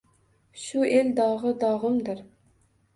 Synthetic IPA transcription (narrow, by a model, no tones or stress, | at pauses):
ʃuʔeld̪ɑʁəd̪ɑʁəmd̪ɨɾ